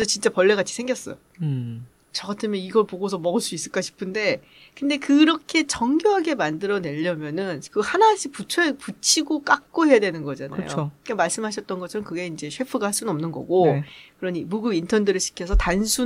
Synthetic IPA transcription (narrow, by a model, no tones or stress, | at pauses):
esʰʌt͡ɕint͡ɕ͈apʌɭːe̞ɡat͡ɕʰi̥sʰe̞ŋɡjʌs͈ʌjo | t͡ɕʌɡatʰɯmjʌniɡʌɭpoɡosʰʌmʌɡɯɭs͈uis͈ɯɭk͈aɕʰi̥pʰɯnde̞ | kɯnde̞kɯɾʌkʰe̞t͡ɕʌŋɡjuɦaɡe̞mandɯɾʌne̞ʎːʌmjʌnɯnkɯhanaɕʰiput͡ɕʰʌput͡ɕʰiɡok͈ak̚k͈oɦe̞jadwe̞nɯnɡʌd͡ʑana̰jo̰okemaɭs͈ɯmɦaɕ̬ʰʌt̚t͈ʌnɡʌt͡ɕʰʌɾʌmkɯɡe̞ind͡ʑe̞ɕʰɥwe̞pʰɯɡahaɭs͈unnʌmnɯnɡʌ̰ɡokɯɾʌɲimuɡɯbintʰʌndɯɾɯɭɕʰi̥kʰjʌsʰʌtansʰu